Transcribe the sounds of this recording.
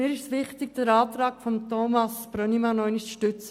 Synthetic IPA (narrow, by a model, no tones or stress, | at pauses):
mɪːɾɪʃsʋɪχt̪ɪɡ̚d̥əɾɑːt̪ɾɑːkfɔmt̪ɔmɑsb̥ɾœnimɑnɔɪnɪʃt͡sʃtʏt͡sə